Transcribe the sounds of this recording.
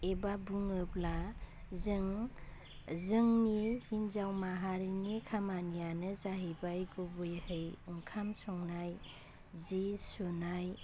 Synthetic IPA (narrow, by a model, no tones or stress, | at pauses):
ebabuŋɯpla | zɯŋ | zɯŋnihinzawmaɦaɾinikʰamanijanɯzaɦibajɡɔbɯjhɯjuŋkʰamsɔŋnaj | zisunaj